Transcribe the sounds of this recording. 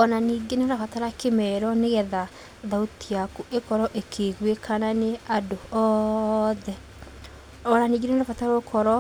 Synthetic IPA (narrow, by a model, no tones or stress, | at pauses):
ɔnaniːɡeneɾafataɾakemɛɾɔneɣɛða | ðautiakuʔekɔɾɔʔekʰeɣwekananeadoɔ | ðɛ | ɔnaniːɡeneneɾafataɾaokʰɔɾɔ